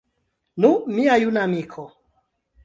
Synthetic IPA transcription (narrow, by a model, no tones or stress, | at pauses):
numiajunamikʰɔ